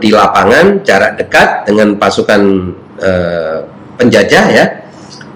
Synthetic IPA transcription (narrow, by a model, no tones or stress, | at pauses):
dilapaŋant͡ʃaɾadəkat̪̚dəŋanpasukan | ə | pəɲd͡ʒad͡ʒaja